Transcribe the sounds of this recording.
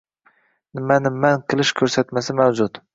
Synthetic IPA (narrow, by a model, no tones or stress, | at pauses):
nɪmanɪmːanqʰɨlˠɪʃkʲʰɵɾsat̪masɪmawd͡ʒʊt̪